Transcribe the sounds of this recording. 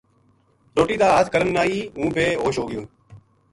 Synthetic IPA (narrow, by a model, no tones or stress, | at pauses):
ɾoːʈiːd̪aːaːt̪kəɾənːaːiːũːpeːɦoːʃɦoːɡɪjõː